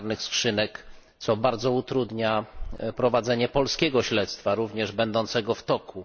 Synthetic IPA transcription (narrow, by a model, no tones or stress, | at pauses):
ɾnɘxskʂɘnɛk | t̪sɔbaɾd̪zɔut̪ɾud̪ɲapɾɔvad̪zɛɲɛpɔlskʲɛɡɔɕlɛt̪st̪faɾuvɲɛʐbɛnd̪ɔnt̪sɛɡɔft̪ɔku